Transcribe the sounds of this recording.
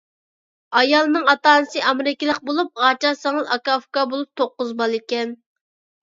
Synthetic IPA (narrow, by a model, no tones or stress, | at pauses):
ɑjɑlˠnɨŋɑt̪ɑːnɨsɨʔɑmɾɪkʲilˠəqbolˠup̚ʁɑt͡ʃɑsɪŋɨzɑkɑfkɑbolˠup̚t̪ʰoqːʊzbɑlˠikʲɛn